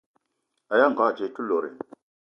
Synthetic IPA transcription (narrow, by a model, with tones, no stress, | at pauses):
a˨ja˦ŋ˨ɡa˦˨t͡ʃe˨tu˦lo˨ɾḛ˨